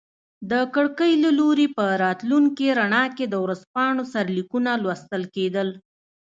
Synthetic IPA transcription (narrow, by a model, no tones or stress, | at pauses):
d̪əkəɽkəjlaloɾepəɾɑt̪luŋkiɾaɳɑked̪əwɾazpɑɳosaɾlikunalwast̪əlked̪əl